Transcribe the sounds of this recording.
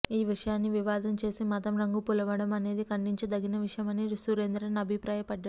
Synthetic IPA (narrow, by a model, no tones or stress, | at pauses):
iːʋiʂɐjaːnːiʋiʋaːd̪ɐmt͡ʃe̞ːsimɐt̪ɐmɾɐŋɡupulɐʋɐɽɐmɐne̞ːd̪ikɐɳɖiɲt͡ʃid̪ɐɡinɐʋiʂɐjɐmɐniɾsuɾeːnd̪ɾɐnɐbʱipɾaːjɐpɐɖːɐ